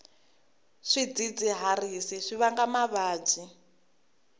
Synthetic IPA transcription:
ʂid͡zid͡ziɦarisiʂiβaŋɡamaβaːd͡zi

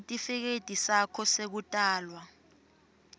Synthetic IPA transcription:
tʼifɛk̬etʼisakʰɔsek̬utʼaːlwa

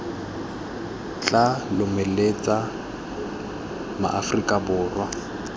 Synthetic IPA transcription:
t͡ɬʼalʊmɛlet͡sʼa | ma̰ʔafrikʼabʊːrwa

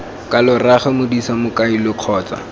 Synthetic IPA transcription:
kalʊraχɛmʊdisamʊkailʊq͡χʰɔːt͡sa̰

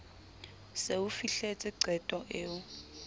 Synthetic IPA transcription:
seufiɬet͡sʼiǀɛtʼɔʔeːu

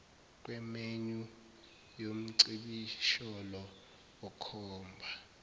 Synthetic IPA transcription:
k̬ʼwɛmeɲu | jom̩ǀiɓiʃɔlɔ | ɔkʰɔːmbʱa

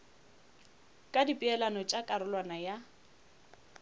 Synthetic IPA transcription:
kʼadipʼiɛlanɔt͡ʃʼakʼaɾʊlwanaja

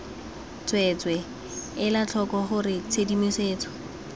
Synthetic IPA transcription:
t͡swɛt͡swɛ | ɪlat͡ɬʰɔkɔχʊrɪt͡sʰedimiseːt͡sɔ̥

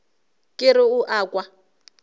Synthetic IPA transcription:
kʼɪɾɪuʔaːkʼwa

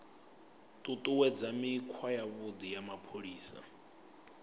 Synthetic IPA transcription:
tʼutʼuwɛd͡zamikʰwajaβʊd̪ijamapʰoɺiːsa̰

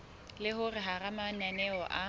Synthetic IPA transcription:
lɪɦʊrɪɦaramananɛɔʔa

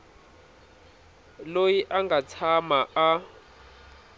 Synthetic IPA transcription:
lojiʔaŋɡʱat͡sʰamaa

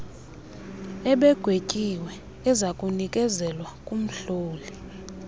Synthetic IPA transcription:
ɛɓɛɡ̥ʱwecʼiwɛː | zakʼunikʼɛzɛlwakʼum̩ɬoːli

